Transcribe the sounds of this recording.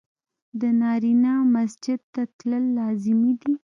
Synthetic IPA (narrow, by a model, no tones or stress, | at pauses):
d̪ənɑɾinɑmasd͡ʒɪd̪̚t̪at̪ləlːɑzɪmid̪i